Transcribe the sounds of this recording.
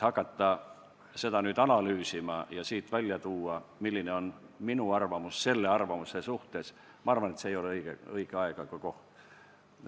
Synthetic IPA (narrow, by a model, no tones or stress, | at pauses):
hɑkːˑɑt̪ːɑ | se̞d̪̥ɑnyːd̪ɑnɑlyːsimɑjɑsiːt̪vælʲjɑt̪uːɑmilːineo̞nminuɑrvɑmusse̞lːe̞ɑrvɑmusesuht̪e̞s | mɑɑrvɑne̞t̪seːjo̞leɤiɡ̥ḛɤiɡ̥eɑeɡ̥ɑkɑko̞ht̪